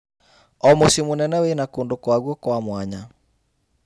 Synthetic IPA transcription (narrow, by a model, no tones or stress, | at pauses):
ɔmosimunɛnɛweinakondokwaɣɔkwamwaɲa